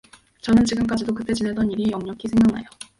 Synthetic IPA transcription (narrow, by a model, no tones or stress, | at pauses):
t͡ɕʌnɯnt͡ɕiɡɯmk͈ad͡ʑidokɯt͈e̞d͡ʑinedʌniɾijʌŋɲʌkʰisʰe̞ŋɦjaʌŋna̰jo